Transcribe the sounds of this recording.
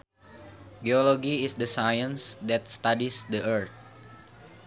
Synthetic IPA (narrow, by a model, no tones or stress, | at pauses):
ɡɛolɔɡiːsdəsajə̃nsd̪ɛt̪̚st̪adisdəəɹt̪̚